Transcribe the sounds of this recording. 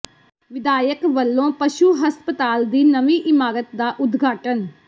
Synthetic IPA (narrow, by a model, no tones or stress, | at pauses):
ʋɪd̪aːjəkʋəlːõːpəʃuːɦəspət̪aːld̪iːnəʋĩːʔɪmaːɾət̪d̪aːʔʊd̪ɡʱaːʈən